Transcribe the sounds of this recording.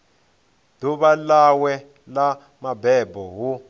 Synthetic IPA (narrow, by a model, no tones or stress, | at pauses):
duβalawɛ | la | mabɛbɔɦu